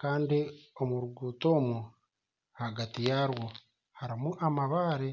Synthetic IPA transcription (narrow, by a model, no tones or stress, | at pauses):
kaːndio̞muɾuɡuːtoːmu | haɡatijaːɾwo | haɾimuʔamaβaːɾe